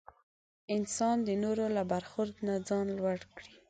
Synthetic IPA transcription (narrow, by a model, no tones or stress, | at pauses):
ɪnsɑnd̪ənoɾolabaɾxʊɾd̪nad͡zɑnlwaɽkɽi